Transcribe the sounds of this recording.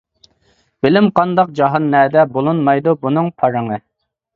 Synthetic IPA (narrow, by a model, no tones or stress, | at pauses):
b̥ɪlɪmqʰɑnd̪ɑq̚d͡ʒɑɦɑnːɛːd̪ɛbolˠunmɑjd̪ubunɨŋpʰɑɾɨŋɨ